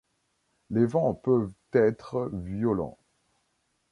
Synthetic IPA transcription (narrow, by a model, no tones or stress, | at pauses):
levɑ̃pøvt̪ɛt̪χəvjɔlɑ̰̃